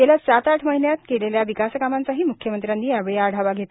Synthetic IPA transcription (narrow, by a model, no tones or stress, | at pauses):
eljasat̪aʈʰməɦinjat̪keleljaʋikaskamant͡saɦiːmukʰjəmənt̪ɾjanːiːaʋɭeaɽ̤ʱaʋaɡʱet̪a